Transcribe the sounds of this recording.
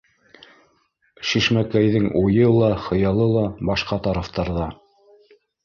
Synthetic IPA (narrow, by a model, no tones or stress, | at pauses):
ʃiʃmækæjðɘŋujɤlˠɑχɤ̆jɑlˠɤlˠɑbɑʃqɑt̪ɑɾɑft̪ɑɾðɑ